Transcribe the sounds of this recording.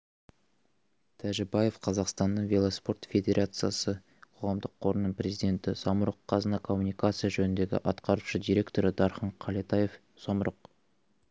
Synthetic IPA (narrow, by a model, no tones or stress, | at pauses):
t̪ʰæʒɪbaje̞fqʰɑzɑqst̪ɑnːəɴvʲe̞lˠospo̞rt̪fʲe̞d̪ʲe̞ɾʔat̪sɨjasə | qʰo̞ʁɑmd̪əqʰo̞ɾənəɴprʲe̞zijd̪ʲe̞nt̪ɪsɑməɾəqʰːɑzənɑkʰo̞mːunijkat̪sɨjaʒɵnɪnd̪e̞ɡʲɪ̰ʔɑt̪qɑɾuʃəd̪ʲijɾʲe̞kt̪o̞ɾəd̪ɑɾχəɴqʰɑlˠet̪ɑjef | sɑməɾəq